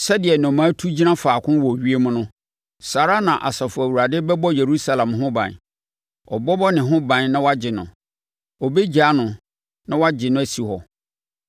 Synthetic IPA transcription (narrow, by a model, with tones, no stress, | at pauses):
sɛ˦dɪ˨ɛ˨nɔ̃˨mãː˨˦tʰu˦d͡ʑi˦nã˦faː˨kʰʊ̃˦wɔ˨ɥi˦e˦mʊ̃˦nʊ̃˦ | saː˨ɾa˦nã˨ʔa̰˨sa˨fʊ˨æ˨wu˨ɾa˨dɪ˦bɛ˦bɔ˦je˨ɾu˦sa˦˨lã˨mɦʊ̃˦bã̰˨n | ɔ̰˨bɔ˦bɔ˦nɪ̃˨ɦʊ̃˦bã˨nnã˦wɔ˦a˦d͡ʑɪ˨nʊ̰̃˨ | ɔ˨be˦d͡ʑa˨˦nʊ̃˨ | nã˦wa˦d͡ʑɪ˨nʊ̃˦æ˨si˨hɔ˨